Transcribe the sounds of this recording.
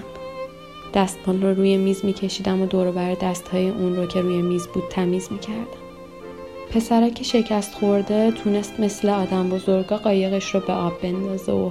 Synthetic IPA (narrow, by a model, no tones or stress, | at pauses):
d̪̥æst̪̚mɒnroɾuːjemiːzmiːcʰe̞ʃiːd̪æmod̪ɒːɾobæɾed̪æst̪hɒːje̞ʔunroːcʰe̞ɾuːjemiːzbuːd̪̥̚t̪ʰæmiːzmiːcʰæɾd̪̥æm | pʰe̞sæɾɒːcʰe̞ʃe̞cʰæst̪xo̞ɾd̪e̞t̪ʰune̞st̪me̞sleɒːd̪æmbo̞zo̞ɾɡɒːɣɒːje̞ɣe̞ʃɾɒbe̞ɒːbːe̞nd̪ɒːzḛo